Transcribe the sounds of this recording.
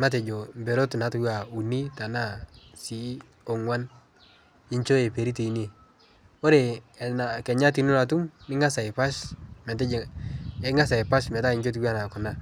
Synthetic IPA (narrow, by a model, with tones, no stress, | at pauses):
ma˦t̬e˨d͡ʒo˨mbe˨ɾo˦tna˨˦tʊ˨wa˨u˨ni˦ta˨na˦si˦ | o˨ŋwa˦n | ɪ˦ɲt͡ʃo˦e˨pe˨ɾi˦te˨i˦ne˨ | o˦ɾe˨nakɛ˨ɲa˦t̬i˨nu˦na˨t̬u˦mɪ˦ŋa˦sa˨ɪ˨pa˦ʃmɛ˨tɛ˦˨˦ | ŋa˦sa˨ɪ˨pa˦ʃmɛ˨ta˦ɪ˨ɲt͡ʃo˦t̬i˦wa˦na˨kʊ˨na˦